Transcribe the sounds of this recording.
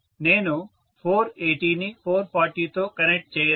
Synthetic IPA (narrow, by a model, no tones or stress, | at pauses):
neːno | pʰoːɾeːʈinipʰoːɾpaːɾʈit̪okɐnek̚ʈ̚t͡ʃɐi